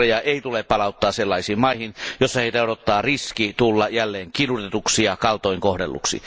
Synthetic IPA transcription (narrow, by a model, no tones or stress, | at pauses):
ejɑeˑit̪uleppɑlɑˑut̪ːɑːsselːɑisiːmmɑihinjosːɑheˑit̪æoɾot̪ːˑɑːriskit̪ulːɑjælːeːŋkinut̪et̪uksijɑkɑlt̪oˑiŋkohdelːṵksḭ